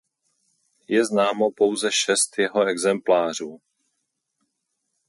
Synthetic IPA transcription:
jɛznaːmo̞po̞wzɛʃɛst̪jɛɦoɛɡzɛmplaːr̝uː

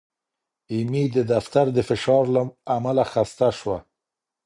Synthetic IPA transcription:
imid̪əd̪aft̪aɾd̪əfɪʃɑɾlaamalaxast̪aʃwa

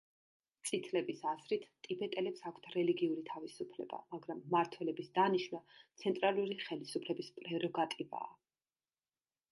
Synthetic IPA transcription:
t̪sʼit̪ʰlɛbisazɾit̪ʰt̪ʼibɛt̪ʼɛlɛpsakʷʰt̪ʰɾɛliɡiuɾit̪ʰavisupʰlɛ̰ba̰maɡɾamːaɾt̪ʰwɛlɛbisd̪aniʃnat̪sʰɛnt̪ʼɾaluɾiχɛlisupʰlɛbispʼɾɛɾɔɡat̪ʼiva̰ː

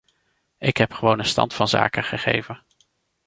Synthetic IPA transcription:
ɪkɦɛpχəʋownənstɑ̰ntfɑnza̰ːkəχəχḛjvən

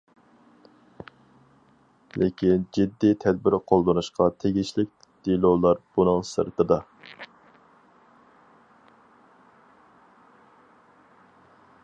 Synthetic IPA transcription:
lekʲind͡ʒid̪ːit̪ʰɛd̪̚bɪɾqʰolˠd̪onuʃqʰɑt̪ʰeɡʲiʃlɪk̚ʲ | d̪̥ilolˠɑɾb̥unɨŋsɨ̰ɾt̪ʰɨd̪ɑ

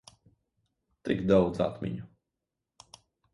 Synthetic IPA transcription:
t̪ɪɡd̪ɔwd̪za̰t̪mʲḭɲu

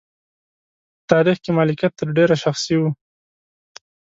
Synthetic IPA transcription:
t̪ɑɾixkemɑlɪkjat̪ːəɾɖeɾaʃaxsiwu

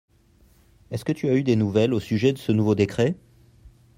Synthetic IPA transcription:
ɛskət̪yayd̪enuvɛlosyʒɛd̪əsənuvod̪ekχɛ

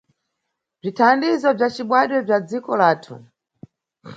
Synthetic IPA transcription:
b͡ʐitʰandizɔb͡ʐat͡ʃiɓwaɗwɛb͡ʐad͡zikɔlaːtʰṵ

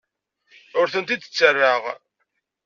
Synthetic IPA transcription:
ʊɾθənt̪id̪ə̥t͡sːərːaʁ

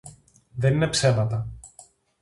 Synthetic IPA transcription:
ðe̞nine̞pse̞mɐt̪ɐ

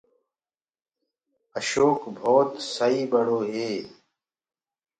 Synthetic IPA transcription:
əɕoːkbʱoːt̪sɐiːbɐɽoːɦeː

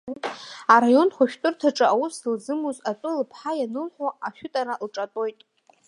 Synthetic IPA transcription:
aɾajo̞nχʷʊʃᶣtʼʊrtʰaʈ͡ʂʼɨʔawusɨld͡zɨmuzat͡sʼɨlpʰħajanɨlħʷᶣaaʃᶣʊtʼaɾalʈ͡ʂʼatʼo̞jtʼ

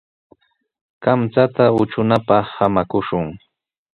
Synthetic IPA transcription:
kamt͡sat̪aʊt͡ʃʊnapɑχhamakʊʃʊŋ

